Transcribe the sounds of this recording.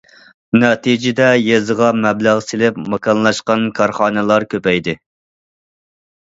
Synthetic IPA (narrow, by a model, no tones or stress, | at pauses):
nɛt̪ʰid͡ʒɪd̪ɛjezəʁɑmɛblæʁsɪlɪpmɑkʰɑnlˠɑʃqɑnkʰɑɾχɑːnɨlˠɑɾkʲʰøpɛjd̪ɪ